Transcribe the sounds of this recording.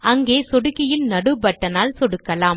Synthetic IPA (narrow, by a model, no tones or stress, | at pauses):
ɐŋɡeːsɔɽɯɣɪjɪnnɐɽɯbɐʈːɐnaːlsɔɽɯkːɐlaːm